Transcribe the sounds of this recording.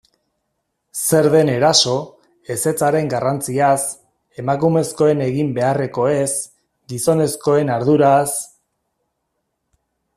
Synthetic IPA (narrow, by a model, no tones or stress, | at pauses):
se̞ɾðe̞ne̞ɾaso̞ | e̞se̞t͡saɾe̞ŋɡarant͡sias | e̞makume̞sko̞e̞ne̞ɣimbe̞are̞ko̞e̞s | ɡiso̞ne̞sko̞e̞naɾðuɾas